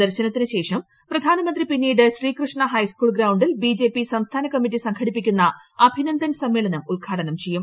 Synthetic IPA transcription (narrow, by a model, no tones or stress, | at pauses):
d̪ɐɾɕɐnɐt̪ːinɨɕe̞ːʂɐm | prɐd̪ʱaːnɐmɐnd̪ripinːiːɽɨɕriːkrɨʂɳɐɦɐjskuːɭɡɾɐwɳɖilbid͡ʑe̞ːpisɐmst̪ʰaːnɐkɐmːitːisɐŋɡʰɐɽipːikʲːunːɐ | ɐbʱinɐnd̪ʱɐnsɐmːe̞ːɭɐnɐmulɡʱaːɽɐnɐmt͡ɕe̞jum